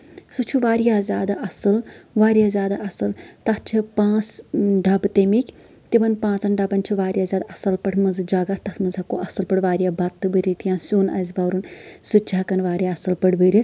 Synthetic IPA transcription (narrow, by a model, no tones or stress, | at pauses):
sut͡ʃʰuʋaːɾijaːzʲaːd̪aʔɐsɨlʋaːɾijaːzʲjaːd̪aɐsɨlt̪ɐt͡ʃʰipãːt͡sɖɐbt̪emikʲ | t̪ibɐnpãːt͡sɐnɖɐbɐnt͡ʃʰiʋaːɾʲijaːzʲaːd̪aɐsɐlpɐɽʰmɐnzɨd͡ʒaːɡat̪ɐt̪mɐnzɐkoʔɐsɨlpɐʈʰʋaːɾijaːbɐt̪ːɨbɨɾit̪ijãːsʲuːnɐ̰zʲbɐːɾunsut͡ʃʰaːkɐnʋaːɾʲjaɐsɨlpəɽbəɾi